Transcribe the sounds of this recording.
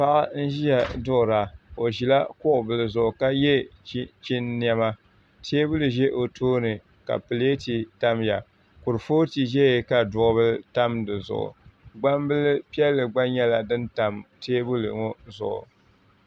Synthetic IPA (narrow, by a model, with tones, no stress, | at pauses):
pa˦ʔa˦n̩˦ʒi˦ja˨dʊ˦ʔʊ˨ɾa˨o˨ʒi˨la˦kʊ˦ʔʊ˨bɨ˨lɨ˨zʊ˨ʔʊ˨ka˦jɛ˦t͡ʃi˦nːi˦a˦ma˦ | tʰeː˦bu˦lɨ˨ʒɛ˦ʔo˨tʰoː˦nɨ˨ | ka̰˨pɨ˨le˦ti˨ta˦mja˨ | kʊ˨ɾɨ˨foː˦ti˨ʒɛ˦je˨ka˨dʊ˨ʔʊ˦βɨ˦lta˦mdɨ˨zʊ̰˨ʔʊ̰˨ɡ͡ba˦mbɨ˦lɨ˦pi˦ɛ˦lːɨ˨ɡ͡ba˦ɲɛ˦la˨dɨ˦nta˨mtʰeː˦bu˦lɨ̰˨ŋo˦zʊ̰˨ʔʊ̰˨